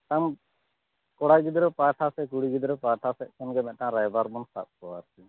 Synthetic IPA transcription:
t̪am | kɔɽaɡid̪ɾɔpaʈʰasɛkuɽiɡid̪ɾɔpaʈʰasɛʔkʰɛnɡɛmɛʔʈãɾajbaɾbunsa̰t̪̚kɔwaɾtɛ

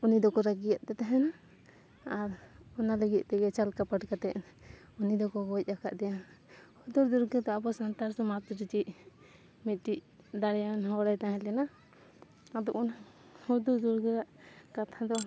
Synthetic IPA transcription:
unid̪ɔkɔɾaɡijat̪̚t̪ɛt̪aɦɛna | aɾɔnaləɡit̪̚ˀt̪ɛɡɛt͡ʃalkapaʈkat̪ɛʔ | unid̪ɔkɔɡɔc̚ˀaka̰ʔd̪ɛja | hud̪uɾd̪uɾɡɛd̪ɔabɔsant̪aɾsɔmat̪ɾit͡ʃiʔ | mit̪̚ʈiʔ | d̪aɽɛjanɦɔɽajt̪aɦɛ̃lɛna | ad̪ɔʔɔna | hud̪ud̪uɾɡɛɾaʔkat̪ʰad̪ɔ

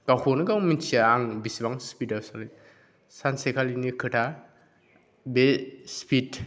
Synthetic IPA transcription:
ɡawkʰonɯɡawmint͡ʃʰiaaŋbisibaŋspidasalɯ | sansekʰalinikʰɯtʰa | bespit

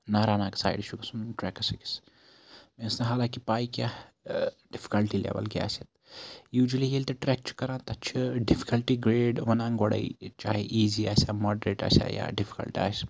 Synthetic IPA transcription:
naːɾaːnaːksa̰ːɪɖʃukɐsunʈɾɛkɐsiki̥s | mẽɐsnɐɦaːlãːkipaːikjaː | ɖɪfi̥kɐlʈilḛːʋɐ̰lkia̰ːset̪juːd͡ʒəlijelt̪eʈɾɛk̚t͡ʃʰu̥kɐɾãːt̪ɐt͡ʃʰɨɖɪfi̥kɐlʈiɡɾeːɖʋɐnãːŋɡoɽɐ̰ḭt͡ʃaːɦeʔiːziaːsamɔːɖɾeːʈa̰ːsa̰ja̰ɖɪfʰi̥kɐ̰lʈiaːs

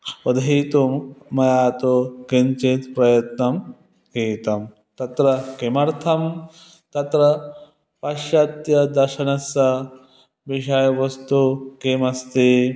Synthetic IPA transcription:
pɐd̪ɦiːt̪umːɐjaːt̪okint͡ʃit̪pɾɐjɐt̪nɐm | kiːt̪ɐm | t̪ɐt̪ɾɐkemɐɾt̪ʰɐm | t̪ɐt̪ɾɐ | pɐʃjɐt̪jɐd̪ɐɾʃɐnɐsɐ | ʋiʃɐjɐʋɐst̪ukemɐst̪i

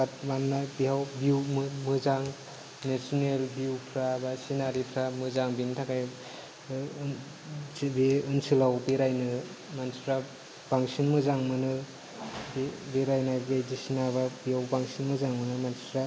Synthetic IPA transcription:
at̚manːabiɦawbiwmmɯzaŋ | nesɔnelbiwpʰɾabasinaɾipʰɾamɯzaŋbintʰakaj | beɯnsilawbeɾajnɯ | mansɾa | b̥aŋsinmɯzaŋmɯnɯ | bbeɾajnaɡezisinaβabiɦawbaŋsinmɯzaŋmɯnɯmansɾa

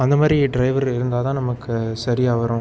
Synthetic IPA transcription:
ɐnd̪ɐmaːd̪ɾiɖɾɐɪʋɐɾɪɾɯnd̪aːt̪ãːnɐmɐkːɯsɐɾiaːʋɐɾõ

